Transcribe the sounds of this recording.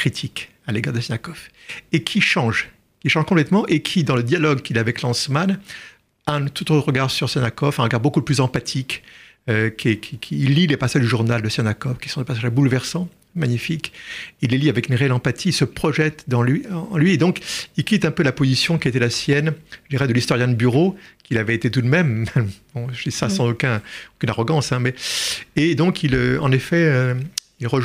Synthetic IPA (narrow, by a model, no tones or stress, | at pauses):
kχit̪ʰik | aleɡaʁd̪əsinakɔf | ekʲʰiʃɑ̃ʒ | kʲiʃɑ̃ʒkɔ̃plɛt̪mɑ̃ʔekʲʰid̪ɑ̃ləd̪jalɔɡkilavɛklɑ̃sman | aɛ̃t̪ut̪ʁəɡaʁsyʁsɛnakɔfɛ̃ʁəɡaʁbokuplyzɑ̃pat̪ʰik | økʲʰekʲʰikʲʰiːlːilepasaʒd̪yʒuʁnald̪əsjɛnakɔfkʲi̥sɔ̃d̪epasaʒbulvɛʁsɑ̃ | maɲifikilːeliavɛkynʁeɛlɑ̃pat̪ʰiilsəpχɔʒɛt̪d̪ɑ̃lɥĩːlɥied̪ɔ̃kilkʲit̪ɛ̃pølapozisjɔ̃kʲiet̪ɛlasjɛnʒəd̪iʁɛd̪əlist̪ɔʁjɛ̃d̪ybyʁokʲilavɛet̪et̪ud̪mɛmːɛbɔ̃ʒəd̪isasɑ̃zokɛ̃okynaʁɔɡɑ̃sɛ̃mɛed̪ɔ̃kʰiløɑ̰̃nefɛø | ilʁəʒ